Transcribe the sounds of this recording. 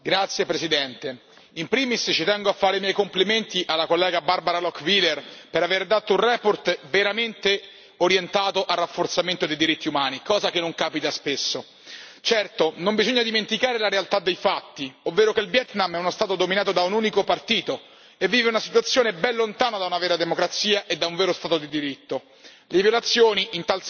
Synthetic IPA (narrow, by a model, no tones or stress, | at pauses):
ɡɾat̪sjepɾesid̪ɛnt̪e | impɾiːmist͡ʃːit̪ɛŋɡoafːaːɾemjɛjkompliment̪iʔalːakolːɛːɡabarbaɾalɔkvilːerpeɾaveɾd̪at̪ːounrɛːport̪veɾament̪e | oɾjent̪aːt̪oʔarːafːort̪sament̪od̪ejd̪iɾit̪ːiumaːnikɔːzakenːoŋkaːpit̪aspesːo | t͡ʃɛrt̪onombizoɲːad̪iment̪ikaːɾelaɾealt̪ad̪ːejfat̪ːiovːeːɾokelbjɛt̪namɛunost̪aːt̪od̪ominaːt̪od̪aunuːnikopart̪iːt̪o | evːiːveunasi̥t̪wat̪sːjoːnebɛlːont̪aːnad̪aunavɛːɾad̪emokɾat̪siːaʔed̪auɱvɛːɾost̪aːt̪od̪id̪iɾit̪ːo | levjolat̪sːjoːniint̪als